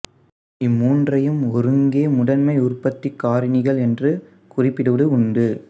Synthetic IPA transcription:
ɪmːuːndrɐjɯmɔɾɯŋɡeːmʊɽɐnmɐɪʊrpɐt̪ːikːaːɾɪnɪɣɐɭɛndrɯ | kʊrɪpːɪɽɯʋɐɽɯʊɳɖɯ

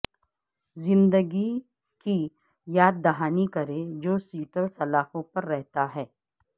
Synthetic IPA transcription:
zɪ̃nd̪əɡi | ki | jaːd̪̚ːɐɦaːnikɐɾẽd͡ʒoːsiːʈəlsɐlaːfõpɐɾːɛɦt̪aɦɛː

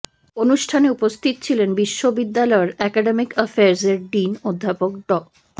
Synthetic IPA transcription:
onuʃʈʰaneupost̪ʰit̪o̥t͡ɕʰilenbiʃːobid̪ːalɔeɾɛkaɖemikəfeaɾseɾɖinod̪ʱːapok̚ɖɔk

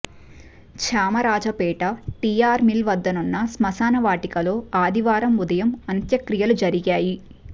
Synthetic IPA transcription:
t͡ʃʰaːmɐɾaːd͡ʒɐpɛːʈɐʈijaːɾmilʋɐd̪ːɐnunːɐsmɐsaːnɐʋaːʈikɐloːaːd̪iʋaːɾɐmud̪ɐjɐmɐnt̪jɐkɾijɐlud͡ʒɐɾiɡaːji

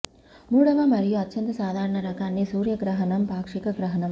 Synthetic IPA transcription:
muːɭɐʋɐmɐɾijuɐt̪ːt͡ʃɐnt̪ɐsaːd̪ʱaːɾɐɳɐɾɐkaːnːesuːɾjɐɡɾɐɦɐnɐmpaːkʂikɐɡɾɐɦɐnɐm

